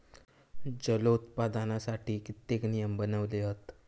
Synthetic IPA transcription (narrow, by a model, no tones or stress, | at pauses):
d͡ʑəlot̪pad̪anasaʈiːkit̪ːeknijəmbənəʋleɦət̪